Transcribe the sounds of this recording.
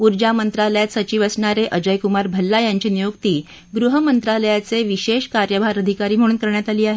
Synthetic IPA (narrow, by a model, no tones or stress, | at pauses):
uɾd͡ʑamənt̪ɾaləjat̪sət͡ɕiːʋəsɳaɾeʔəd͡ʑəjkumaɾbʱəlːajaɲt͡ɕiːnijukt̪iː | ɡɾuɦəmənt̪ɾaləjat͡seʋiɕeɕkaɾjəbʱaɾəd̪ʱikaɾiːm̤əɽ̃uːnkəɾɳjat̪aliːaɦe